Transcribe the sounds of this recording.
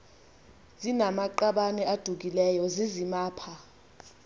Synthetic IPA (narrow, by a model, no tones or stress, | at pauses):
zinamaǃaɓanɛad̥ʱuk̬ilɛjɔzizimaːpʰa